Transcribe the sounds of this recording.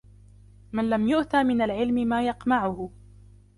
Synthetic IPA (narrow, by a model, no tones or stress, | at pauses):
manlamjʊʔt̪aːmɪnalʕɪlmɪmaːjɑqmaʕʊhʊ